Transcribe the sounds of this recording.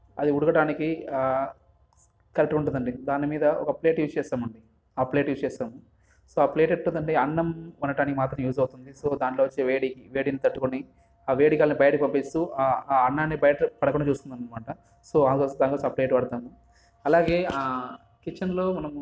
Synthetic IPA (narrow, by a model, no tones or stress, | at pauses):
ɐd̪iuɽuɡɐʈaːniki | kɐlɐkʈːɐuɳʈund̪ɐɳɖid̪aːnimiːd̪ɐɔ̰kɐple̞ːʈjuːst͡ʃɛːsaːmɐɳɖi | aːple̞ːʈjuːst͡ʃɛːsaːmu | so̞ːaːple̞ːʈeʈːund̪ɐɳɖeɐnːɐmɐnɐʈaːnikimaːt̪ɾɐmjuːd͡ʒɐwut̪und̪iso̞ːd̪aːɳʈlo̞ːʋɐt͡ʃːeːʋeːɽiːkiʋe̞ːɽiːnit̪ɐʈːukoni | aːʋeːɽikaːlɐnibɐjɐʈɐkipɐmpist̪uɐnːaːneːbɐjɐʈɐpɐɽɐkuɳɖɐt͡ʃuːst̪und̪ɐnɐmaːʈɐ | so̞ːɐnd̪oːsd̪aːnkosaːple̞ːʈpɐɽɐt̪aːmu | ɐlaːɡe̞ːa | kit͡ʃːɐnlo̞ːmɐnɐm